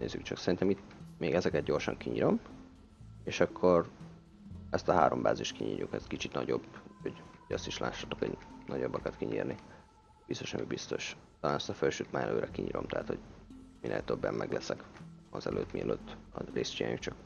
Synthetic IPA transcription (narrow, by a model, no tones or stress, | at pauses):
neːzːykt͡ʃɒksɛɾint̪ɛmit̪meːɡɛzɛkɛd̪̚ɟo̞rʃɒŋkiɲiɾo̞m | eːʃɒkʰːo̞r | ɛst̪ɒɦaːɾo̞mbaːziʃt̪kiɲḭːrjukɛzkit͡ʃit̪nɒɟobhoɟoɟɒst̪iʃla̰ːʃːat̪oko̰ɟnɒɟo̞bːɒkɒt̪kiɲiːrni | bist̪oʃɑmibist̪o̞ʃt̪ɒlaːnɛst̪ɒfølʃøːt̪manɛløːɾʔɛkiɲḭːɾʔo̞̰mt̪ɛɦaːt̪ho̞ɟminʔeːlt̪øbːɛmːɛɡlɛsɛkɒzɛlø̰ːt̪miɛløːt̪ːɒreːst̪t͡ʃia̰ːjukt͡ʃɒk